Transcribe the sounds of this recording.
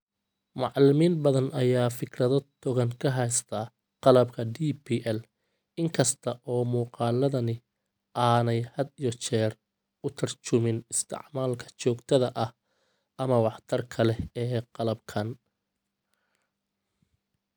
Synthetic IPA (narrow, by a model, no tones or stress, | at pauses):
mɑʕlɪmiːnbɐðɐnɐjaːfɪkʰrɐðɔt̪ʰɔɣɐŋkʰɐɦɛjst̪ʰɐː | qɑlɐbkʰɐdiːpʰiːʔɛl | ɪŋkʰɐst̪ʰɐʔɔːmuːqɑːlɐðɐnɪ | ʔaːnɛjhɐd̪ijɔt͡ʃɛːr | ʊt̪ʰɐrt͡ʃʊmɪnɪst̪ʰɪ̰ʕmaːlkʰɐ̥t͡ʃɔːɡt̪ʰɐðɐʔɐh | ʔɐmɐwɑħt̪ʰɐrkʰɐlɛɛːqɑlɐbkʰɐn